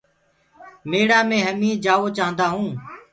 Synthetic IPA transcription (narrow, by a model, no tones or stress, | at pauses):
meːɽaːmẽːɦəmĩːd͡ʒaːʋoːt͡ʃaːənd̪aːɦũː